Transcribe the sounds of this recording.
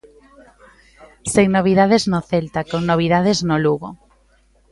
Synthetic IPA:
seŋnoβ̞iðaðeznoθelt̪akoŋnoβ̞iðað̞eznoluɣo

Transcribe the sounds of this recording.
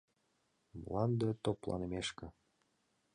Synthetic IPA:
mlɑnd̪ĕt̪oplˠɑ̰nɤ̆meʃkɘ̆

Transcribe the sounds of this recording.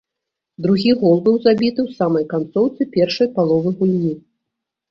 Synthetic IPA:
d̪ɾuɣʲiɣɔlˠbɨwzabʲit̪ɨwsamɐjkant̪sɔwt̪sɨpʲɛrʂɐjpalˠɔvɨɣulʲnʲi

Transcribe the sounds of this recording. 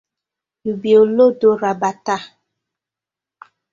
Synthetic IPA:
ibiolodoɾabata

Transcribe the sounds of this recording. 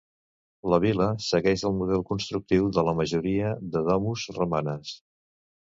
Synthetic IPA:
ləβ̞iləsəɣɛʒəlˠmuðɛlˠkunst̪ɾuk̚t̪iwðələməʒuɾiəðəðɔmuzrumanəs

